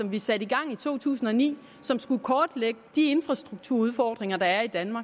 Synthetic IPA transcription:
sɒ̽mʋisæɾ̥iɡ̥ɑ̈ŋ̰it͡sʰo̝̰ːt͡sʰṵːsn̩ɒ̽nḭː | sɒ̽msɡ̥ukʰɒːd̥leɡ̥əd̥ie̝nfʁɑ̈sd̥ʁuɡ̥̚t͡sʰuɐ̰uð̞ˠfɒːd̥ʁeŋɐd̥ɑ̈æɐid̥ænmɑ̈ːɡ̥

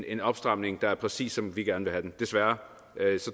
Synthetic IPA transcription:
ne̝nɒ̽b̥sd̥ʁɑ̈m̰ne̝ŋd̥ɑ̈æɐpʰʁɛsḭːsɒ̽mʋiɡ̥æɐnəʋe̝ɦæd̥end̥e̝sʋæɐ | sɒ̽

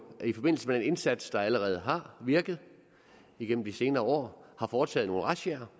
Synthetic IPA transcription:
ifɒ̽be̝n̰l̩səmed̥ene̝nsæd̥sd̥ɑ̈æləʁɛːð̞̩ˠəɦɑ̈ʋiɐɡ̥ð̩ˠ | iɡ̥en̰m̩d̥ise̝ːnɐːɒ̰ːhɑ̈fɒːt͡sʰɛ̰ːð̩ˠno̝ːnʁɑ̥̈ɕæ̰ːɐ

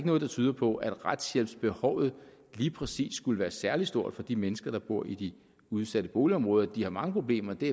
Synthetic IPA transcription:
ɡənɔ̽ðˠd̥ɑ̈t͡sʰyːð̞ˠɐpʰɒ̽ʔæd̥ʁad̥sjel̰b̥sb̥e̝hɒ̽ʊ̰ð̞̩ˠ | liːpʰʁɛsḭːsːɡ̥uləʋæːɐsæɐlisd̥o̝ɐ̰d̥fɒ̽d̥imenəsɡ̥ɐd̥ɑ̈b̥o̝ɐ̰id̥i | uðˠsæd̥əb̥o̝ːliɒ̽mʁɔ̽ːðˠɐd̥ihɑ̈mɑ̈ŋəpʰʁo̝b̥le̝̰ːmɐd̥e̝

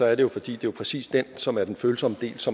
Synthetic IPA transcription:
ɒ̽æɐɾe̝jo̝fɒ̽d̥ḭːd̥e̝jopʰʁɛsḭːsd̥ensɒ̽mæɐd̥enføːl̩sɒ̽məd̥e̝̰ːlsɒ̽m

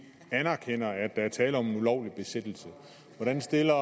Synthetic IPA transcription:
ænæɐkʰen̰ɐæɐæd̥ɑ̈æɐt͡sʰɛːləɒ̽me̝nulɒʊlib̥e̝sed̥l̩sə | ʋɒɾænsd̥e̝lɐ

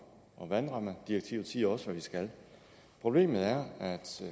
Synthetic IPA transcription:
ʔɒ̽ʋænʁɑ̈mæd̥iɐɡ̥̚t͡sʰḭʊð̩ˠsʰiːɐɒ̽səʋæʋisɡ̥æl | pʰʁo̝b̥le̝̰ːmð̞̩ˠæɐæd̥

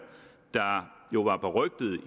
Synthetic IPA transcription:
d̥ɑ̈jo̝ʋɑ̈b̥e̝ʁœɡ̥̚d̥ð̩ˠ

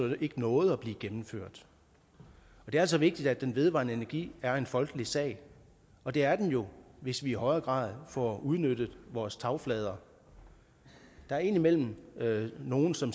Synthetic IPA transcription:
e̝ɡ̥ənɔ̽ːð̞̩ˠɒb̥liːɡ̥emm̩fø̰ɐ̰d̥ | ɒ̽deɐæls̬ɒ̽ʋe̝ɡ̥̚d̥id̥æd̥enʋe̝ð̞ˠʋɑ̈nəe̝næɐɡ̥ḭːæɐe̝nfɒ̽lɡ̥əlisɛ̰ɪ | ɒ̽d̥e̝æɐd̥enjo̝ʋe̝sʋiːhɒ̽ɪɐɡ̥ʁɑ̰̈ːðˠfɒʔuð̞ˠnød̥ð̩ˠʋɒːst͡sʰɑ̈ʊflɛːð̞ˠɐ | d̥ɑ̈æɐe̝̰ːnimel̰m̩ | no̝ːn̩sɒ̽m

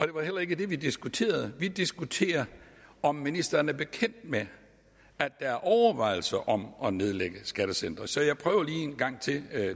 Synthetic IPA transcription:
ɒ̽d̥e̝ʋɑhel̰ɐe̝ɡ̥əd̥e̝ʋid̥isɡ̥ut͡sʰe̝̰ːɐð̞̩ˠəʋid̥isɡ̥ut͡sʰe̝̰ːɐɒ̽mːinisd̥ɐɐːnæɐb̥e̝kʰen̰d̥̚me | æ̥ɑæɐʔɒʊɐʋɑ̈ɪ̰l̩sɐʔɒ̽mɒ̽ne̝ð̞ˠleɡ̥əsɡ̥æɾ̥əsen̰d̥ʁɐsɒ̽jɑ̈ɪpʰʁœːʊɐliːe̝nɡ̥ɑ̈ŋ̰t͡sʰe̝

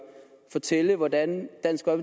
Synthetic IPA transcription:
fɒ̽t͡sʰeləʋɒdænd̥æn̰sɡ̥ɒb̥e

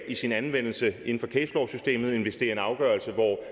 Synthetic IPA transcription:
isinænʋen̰l̩səe̝n̩fɒ̽kʰeːslɒʊsysd̥e̝̰ːmð̩ˠe̝nʋesd̥e̝̰ːɐe̝nɑ̈ʊɡ̥ɶɐlsəʋɒ

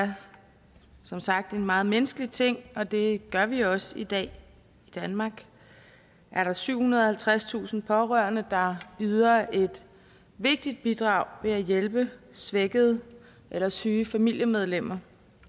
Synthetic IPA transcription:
æɐ | sɒ̽msɑ̈ɡ̥̚d̥e̝nmɑ̈ːð̞̩ˠmenəsɡ̥əlit͡sʰe̝ŋ̰ɒ̽d̥e̝ɡ̥ɶɐʋiɒ̽sid̥ɛ̰ː | id̥ænmɑ̈ːɡ̥ | ʔæɐɾɑ̈syʊ̰hunɐð̞̩ˠɒhælt͡sʰʁast͡sʰṵːsn̩pʰɒ̽ʁœɶɐnəd̥ɑ̈yðˠɐʔe̝d̥ | ʋe̝ɡ̥̚d̥id̥̚b̥id̥ʁɑ̰̈ʊ̰ʋe̝æjelb̥əsʋeɡ̥əð̞ˠ | ʔelɐsyːəfæmil̰jəmeð̞ˠlem̰ɐ

